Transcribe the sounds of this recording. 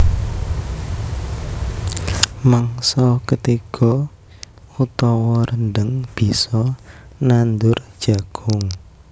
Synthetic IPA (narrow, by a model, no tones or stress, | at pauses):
maŋsɔkət̪ikʰɔ | ut̪ɔwɔɾənɖ̪əŋb̥i̤sɔnand̪ʊrd̥ʒ̥a̤ɡ̥ʊŋ